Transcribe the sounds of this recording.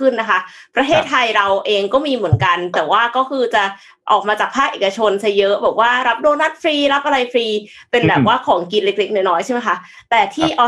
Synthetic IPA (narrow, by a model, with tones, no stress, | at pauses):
ɯ˥˩nːa˦˥kʰa˦˥ʔ | pɾa˧t̪ʰeː˥˩t̪ʰːa˧jɾa˧wʔeː˧ŋkɔː˥˩miː˧mɯ˩˦ənka˧nt̪ɛː˨˩waː˥˩kɔː˥˩kʰɯː˧t͡ɕa˨˩ | ʔɔ̰ː˨˩k̚maː˧t͡ɕaː˨˩k̚pʰaː˥˩k̚ʔeː˨˩ka˧t͡ɕʰo˧nsʰa˧˥jɤ˦˥ʔbɛː˨˩p̚waː˥˩ɾa˦˥p̚doː˧na˥˩t̪̚fʰɾiː˧ɾa˦˥p̚ʔa˧ɾa˧jfɾiː˧ | pe˧nbɛː˨˩p̚waː˥˩kʰɔː˩˦ŋki˧nle˦˥k̚le˦˥k̚nɔː˥jnɔː˦˥jt͡ɕʰa˥˩ma˦jkʰa˦˥ʔ | t̪ɛː˨˩t̪ʰiː˥˩ʔa˧